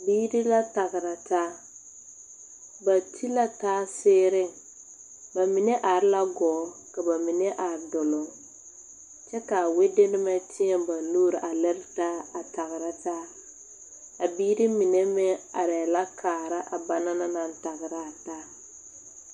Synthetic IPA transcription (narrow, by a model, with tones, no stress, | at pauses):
biː˦ɾi˦la˦ta˨ɣɪ˨ɾa˨taː˦ | ba˨tʰi˦la˦taː˦sɪː˦ɾɪ˦ | ba˨mi˨nɛ˦ʔa˨ɾɪ˦la˦ɡɔː˨˦ka˨ba˨mi˨nɛ˦ʔa˨ɾdʊ˨lʊ˨ | t͡ʃɛ˦ka˨we˦de˦nɪ˦mɛ˦tʰɪ˦ɛ˨ba˨nluː˦ɾɪ˨ʔa˨lɪ˦ɾɪ˦taː˦a˨ta˨ɣɪ˨ɾa˦taː˦ | a˨biː˦ɾi˦mi˨nɛ˦mɛ˦a˨ɾɛ˨la˦kʰaː˨ɾa˦ʔa˨ba˨na˦na˦na˨n˦ta˨ɣɪ˨ɾa˦˨taː˦